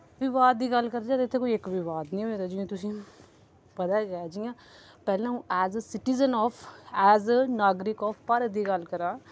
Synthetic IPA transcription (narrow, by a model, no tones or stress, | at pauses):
ʋɪʋaːd̪̚d̪iːɡəlkəɾd̪d͡ʒaːt̪eɪt̪ʰːeːkoiɪkʋɪʋaːd̪nĩːɦoeːt̪aːd͡ʒĩt̪ʊsĩː | pət̪aːɡəad͡ʒijãː | pɛːlãũːɛːzəsɪʈizənɔːfʰɛːzənaːɡɾɪkɔːfʰpəɾd̪iːɡəlkəɾaː